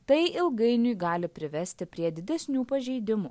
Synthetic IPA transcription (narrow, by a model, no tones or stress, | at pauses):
t̪ɐɪɪlˠɡɐɪnʲʊjɡɑːlʲɪpʲɾʲɪʋʲɛsʲt̪ʲɪpʲɾʲiɛd̪ʲɪd̪ʲɛsʲnʲuːpɐʒʲɛɪd̪ʲɪmuː